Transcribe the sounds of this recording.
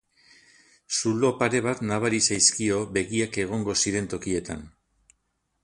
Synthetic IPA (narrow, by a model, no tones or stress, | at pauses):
sulo̞paɾe̞β̞at̪naβaɾisajskio̞be̞ɣiake̞ɣ̞o̞ŋɡo̞siɾe̞nt̪o̞kie̞t̪a̰n